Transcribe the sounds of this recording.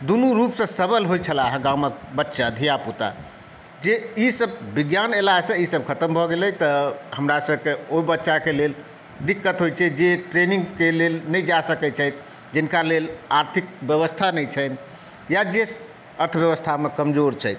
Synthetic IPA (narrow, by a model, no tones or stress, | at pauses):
d̪unuɾupsə̃səbəlɦojt͡ʃʰəlaɦə̃ɡãwmək̚bətːʃad̪ʱijaput̪a̰ | d͡ʒeisəbbiɡjanelasə̃isəb̚kʰət̪əmbʱɔɡelɛt̪əhəmɾasəb̚ʱkeobətːʃakelel | d̪ikːət̪ɦojt͡ʃʰɛd͡ʒeʈɾenĩŋɡkelelnəjd͡ʒasəkɛt͡ʃʰəjt̪ʰ | d͡ʒinkalelaɾt̪ʰik̚bjəʋəst̪ʰanɛt͡ʃʰən | jad͡ʒes | əɾt̪ʰəbjəβəst̪ʰamekəmd͡ʒoɾt͡ʃʰəjt̪